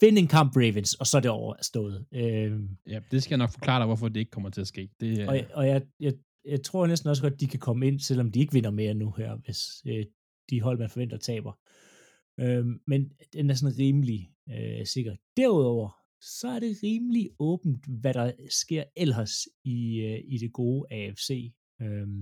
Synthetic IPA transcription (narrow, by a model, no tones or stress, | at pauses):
fe̝nəe̝nkʰɑ̈m̰b̥ʁeʋənsɒ̽sɒ̽dɾeɒʊɐsd̥ɔ̰̽ːð̩ˠø | d̥e̝sɡ̥ɛjanɒɡ̥fɒ̽kʰl̥ɑ̰̈ːʋɒfɒd̥e̝e̝ɡ̥̚kʰɒ̽mɐt͡sʰe̝æsɡ̥e̝̰ːd̥eɒɒ̽jɑ̈ɪjɑɪ | jɑ̈ɪt͡sʰʁo̝ɐ̰nesd̥n̩ɒs̬əɡ̥ɒ̽d̥̚ːikʰækʰɒ̽məe̝n̰sel̰ɒ̽md̥ie̝ɡ̥ʋe̝n̰ɐme̝ːɐnuhæɐ̰ʋe̝sø | d̥iɦɒ̽l̰mænfɒʋen̰d̥ɐt͡sʰɛ̰ːb̥ɐ | ʔømmen | d̥enæɐsɔ̽n̩ʁiːməli | øse̝ɡ̥ɐ̥d̥æɐ̰uð̰ˠɒʊ̰ɐ | sɒ̽æɐɾe̝ʁiːmliɔ̽ːb̥n̩d̥ʋæɾɑ̈sɡ̥e̝ɐ̰elɦɐsiiɾ̥e̝ɡ̥o̝ːʔɛefse̝̰ː | øm